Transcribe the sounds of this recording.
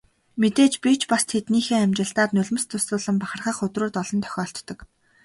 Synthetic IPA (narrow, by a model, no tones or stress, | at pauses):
met̪eːt͡ɕpʲit͡ɕpast̪ʰet̪niːxeːæmʲt͡ɕɪ̆ɬt̪aːt̪nʊɮmə̆st̪ʰʊsʊːɮə̆mpaχə̆rχaːχʊt̪rʊːt̪ɔɮɞ̆nt̪ʰœ̥xʲɔːɬt̪ːɞ̆k